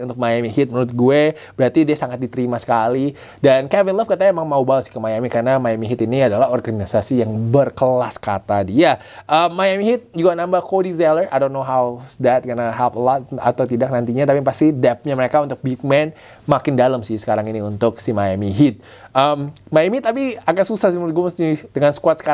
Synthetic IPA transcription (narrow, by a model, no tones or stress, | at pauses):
unt̪ʊk̚majamiɦɪt̪̚muɾʊt̪̚ɡue | b̥əɾat̪idiasaŋat̪̚dit̪əɾimasə̥kali | dankɛvɪnləfkət̪aemaŋmaubalsɪ̥hkəmajamikarnamajamiɦit̪iniadalaɦɔrɡanisasijaŋbərkəlaskat̪adia | ʔəmːajamiɦɪt̪̚d͡ʒuɡanambahkodizɛlərʔajdonːoɦawsd̪ɛt̪̚kərnaɦɛlpəlɔt̪̚a̰t̪awt̪idak̚nant̪iɲat̪apipast̪idɛp̚ɲaməɾekaunt̪ʊk̚bik̚mɛn | makɪndaləmsɪhsə̥kaɾaŋiniunt̪ʊk̚simajamiɦɪt̪̚ | ʔəmːajamiit̪ːap̬iakansusahsimɡumsidəŋansə̥kuat̪sə̥ka